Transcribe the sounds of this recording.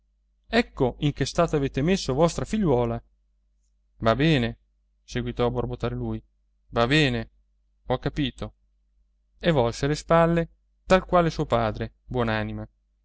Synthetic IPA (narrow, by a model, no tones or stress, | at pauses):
ɛkːoiŋkest̪aːt̪oaveːt̪emesːovɔst̪ɾafiʎːwɔːla | vabɛːne | seɡwit̪ɔaborbot̪aːɾeluːj | vabɛːne | ɔkːapiːt̪o | evɔlselespalːe | t̪alkwaːlesuːopaːd̪ɾe | bwɔnaːnima